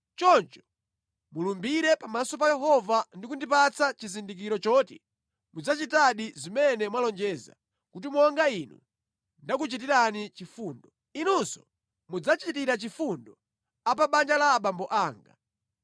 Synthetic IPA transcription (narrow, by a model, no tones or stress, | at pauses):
t͡ʃɔnt͡ʃɔ̥ | mulumbiɾɛpamasɔp̬ajɛɦɔvandikundipat͡sat͡ʃizindik̬iɾɔt͡ʃɔːtḭ | mud͡zat͡ʃitaɗizimɛnɛmwalɔnd͡ʒɛza̰ | kut̬imɔŋɡainṵ | ndakut͡ʃit̬iɾanit͡ʃifuːndɔ | inunsɔ̥ | mud͡zat͡ʃitiɾat͡ʃifundɔ | ap̬aɓand͡ʒalaɓambɔʔaːŋɡa̰